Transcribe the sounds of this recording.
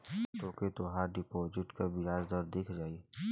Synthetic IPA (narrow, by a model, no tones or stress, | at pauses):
t̪oket̪oɦaːɾɖɪpɔːd͡ʒɪʈkabɪjaːzd̪ɔɾd̪ɪkʰd͡ʒaːi